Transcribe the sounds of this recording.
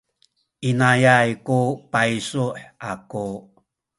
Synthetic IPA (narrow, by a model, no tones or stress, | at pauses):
ʔinajajkupajisuħaku